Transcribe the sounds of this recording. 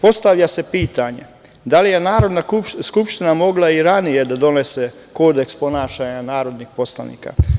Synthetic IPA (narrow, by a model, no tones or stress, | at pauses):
po̞st̪aʋʎase̞piːt̪aɲḛ | d̪alije̞naːɾo̞d̪naskupʃt̪inamo̞ɡlˠaiɾanije̞d̪ad̪o̞nese | ko̞ːd̪ekspo̞naːʃaɲanaːɾo̞d̪nixpo̞sla̰nḭːka̰